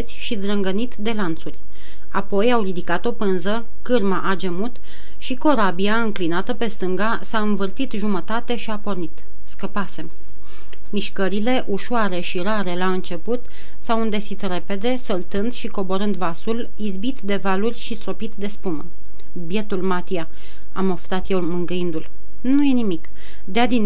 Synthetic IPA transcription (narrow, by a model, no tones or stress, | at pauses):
t̪sʲʃizd̪ɾəŋɡənit̪d̪e̞lant̪surʲ | apo̞jawrid̪ikat̪o̞pɨnzə | kɨrmaʔad͡ʒemut̪ | ʃiko̞ɾabiaɨŋklinat̪əpe̞st̪ɨŋɡa | saɨnvɨrt̪it̪ʒumət̪at̪e̞ʃiapo̞rnit̪ | skəpase̞m | miʃkəɾile̞ʔuʃoaɾe̞ʃiɾaɾe̞laɨnt͡ʃe̞put̪ | sawɨnd̪esit̪re̞pe̞d̪e̞səlt̪ɨnd̪ʃiko̞bo̞ɾɨnd̪vasul | izbit̪d̪e̞valurʲʃist̪ɾo̞pit̪d̪e̞spumə | bje̞t̪ulmat̪ia | a̰mo̞ft̪at̪jelmɨŋɡɨind̪ul | nuje̞nimik | d̪ead̪in